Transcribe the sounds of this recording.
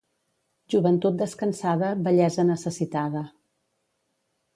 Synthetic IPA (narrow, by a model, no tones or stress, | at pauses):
ʒuβənt̪ot̪̚d̪əskənsaðəβəʎɛzənəsəsit̪aðə